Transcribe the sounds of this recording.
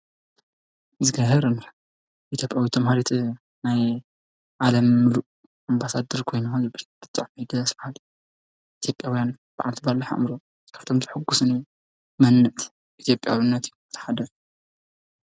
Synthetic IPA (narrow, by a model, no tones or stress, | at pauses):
zɨɡaɦɐɾɨn | ʔit̪ʰjo̞pʼjawit̪ʰɐmhaɾit̪ʰ | naj | ʔalɐmːɨluʔ | ʔambasad̪ɐɾkʰo̞jnuzɨbɾb̥ɨt̪ʼːaʕmid̪ɐsbɐhal | ʔit̪ʰjopʼjawjan | b̥ɨʕalt̪ʰibaɾlːɐħa̰ʔmɾo | kʰaft̪ʰomzɨħɨɡːusɨni | mɐnːɨʔt̪ʰ | ʔit̪ʰjo̞pʼjawinːɐt̪ju̥ɨ̥t̪ʰɐ̥ħad̪ɐ